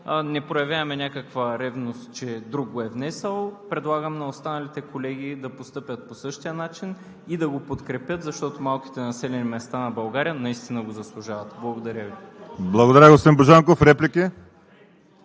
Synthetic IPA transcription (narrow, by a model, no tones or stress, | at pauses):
nɛpɾojɐvʲjaɐmɛnʲakəkvəɾɛvnost̪t͡ʃɛd̪ɾuɡ̚ɡoɛvnɛsəlˠpɾɛd̪lˠaɡəmnɐost̪anɐlit̪ɛkolɛɡʲid̪ɐpost̪ɤpʲət̪̚posɤʃt̪ijənat͡ʃin | id̪ɐɡopot̪kɾɛpʲjət̪zɐʃt̪ɔt̪omalˠk̟i̥t̪ɛnɐsɛlɛnimɛst̪anɐbɐlˠɡaɾijənɐist̪inəɡozɐslˠuʒavɐt̪blˠɐɡod̪ɐɾʲəvi | blˠɐɡod̪ɐɾəɡosimboʒaŋkofɾɛplʲiki